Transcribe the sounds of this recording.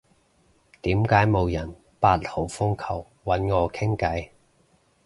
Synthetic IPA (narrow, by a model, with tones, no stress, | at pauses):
t̪iː˨˥mkaː˨˥jmo˨˧wjɐ˨˩n | paː˧t̚ho˨˥wfʊ˥ŋkʰɐ˨˩w | wɐ˨˥nŋɔː˨˧kʰɪ˥ŋkɐ˨˥j